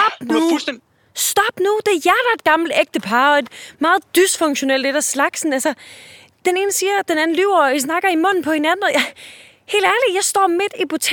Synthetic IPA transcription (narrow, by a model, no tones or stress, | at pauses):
b̥nu | sd̥ɒ̽b̥nud̥e̝jæɐɾ̥ɐe̝d̥̚ɡ̥ɑ̈ml̩d̥eɡ̥̚d̥əpʰɑ̈ːɒ̽e̝d̥mɑ̈ːð̞̩ˠd̥ysfɔ̽ŋɡɕo̝nel̰d̥ed̥ɾæslɑ̈ɡ̥sn̩ælsɐ | d̥ene̝ːnəsiːɐd̥enæn̩lyʊ̰ɐisnɑ̈ɡ̥ɐimɔ̽n̰n̩pʰɒ̽he̝nænn̩ˠj | he̝̰ːld̥æɐli̥jɑ̈ɪsd̥ɒ̰ːme̝d̥ib̥o̝t͡sʰ